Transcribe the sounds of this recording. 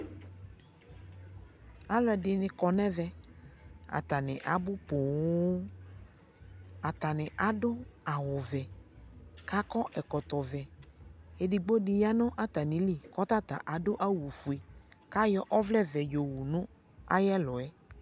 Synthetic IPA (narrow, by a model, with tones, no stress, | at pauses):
a˨lɛ˨ɖɪ˨nɪ̃˨kɔ˨nɛ̃˦vɛ˦ | a̰˨t̪a˨nɪ̃˨ʔa˨bʊ˦po˨w | a˨t̪a˨nɪ̃˨ʔa˨ɖʊ˦a˨wʊ˨vɛ˨ | ka˦kɔ˦ʔɛ˨kɔ˨t̪ɔ˨vɛ˨ | e˨di˨ɡ͡bo˦dɪ˨ja˦nɔ̃˦ʔa˦t̪a˨nĩ˨li˦˨kɔ˦t̪a˦t̪a̰˨ʔa˨ɖʊ˦ʔa˦wu˨fu˨e˨ka˦jɔ˦ʔɔ˦vlɛ˦vɛ˨jo˨wu˨nʊ̃˦ | a̰˦jɛ˦lɔ˨ɛ˦